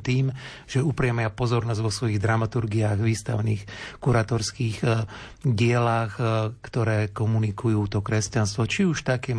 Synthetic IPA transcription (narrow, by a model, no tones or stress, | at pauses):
t̪iːm | ʒ̥ɛupɾɪjɛmɛapɔzɔɾnɔzɟʋɔsʋɔjiɣd̪ɾamat̪uɾɡiaːɣʋiːst̪a̰ʊniːxkuɾaːt̪ɔɾskiːx | ɟɪɛlaːxkt̪ɔɾɛːkɔmunikujuːt̪ɔkɾɛscanst̪ʋɔt͡ʃiuʃt̪akɛ